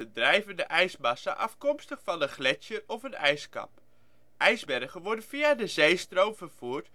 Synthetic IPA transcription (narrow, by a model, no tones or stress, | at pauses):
ədrɛjvəndəʔɛjsmɑsa̰ʔɑfkɔmstəχfɑnənχlɛt͡ʃjərɔfənɛjskɑ̰p | ʔɛjzbɛrχənʋɔɹdənviadəzejstrowmvərv̥uːrt